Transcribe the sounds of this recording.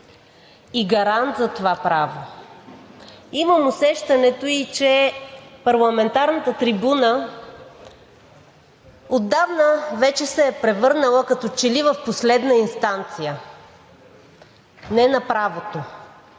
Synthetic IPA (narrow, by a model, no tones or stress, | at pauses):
iɡɐɾant̪zɐt̪ovapɾavo | iməmosɛʃt̪ɐnɛt̪oit͡ʃɛpɐɾlˠɐmɛnt̪aɾnət̪ət̪ɾibunə | od̪ːavnəvɛt͡ʃɛsɛːpɾɛvɤɾnəlˠəkɐt̪ɔt͡ʃɛlivəfposlɛd̪nəinst̪ant̪sijə | nɛnɐpɾavot̪o